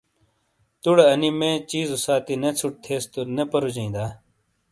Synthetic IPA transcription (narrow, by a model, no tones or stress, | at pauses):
t̪uɽɐɐnimẽːt͡ɕiːzusaːt̪inet͡sʰuʈ̚t̪ʰeːst̪unepɐɾud͡ʑĩːd̪aː